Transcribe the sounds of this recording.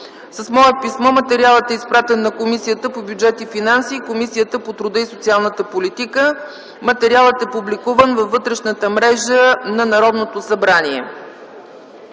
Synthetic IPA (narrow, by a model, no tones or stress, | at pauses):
səsmɔəpismɔmɐt̪ɛɾialˠət̪ɛispɾat̪ɛnːɐkomisijət̪əpobjud͡ʒɛt̪ifinansiːkomisijət̪əpot̪ɾʊd̪əisot̪sialˠnət̪əpolit̪ikə | mɐt̪ɛɾialˠət̪ɛpublikuvənvɐfːɤt̪ɾɛʃnət̪əmɾɛʒənɐnɐɾɔd̪not̪osɐbɾanʲiɛ